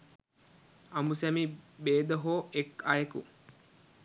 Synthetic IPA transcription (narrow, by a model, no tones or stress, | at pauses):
ɐmusæmibeːd̪əɦoːekajekṵ